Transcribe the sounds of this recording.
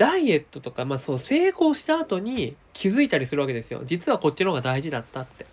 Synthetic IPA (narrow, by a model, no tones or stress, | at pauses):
d̪̥aie̞t̪ːo̞t̪o̞kamasose̞ːko̞ːɕi̥t̪aːt̪o̞ɲ̟ikʲʰizɨit̪aɾʲisɨɾɯ̟βaked̪e̞sɨjo̰d͡ʑit͡sɨβako̞t͡ɕiɾoɡad̪aiʑid̪at̪ːat̪ːe̞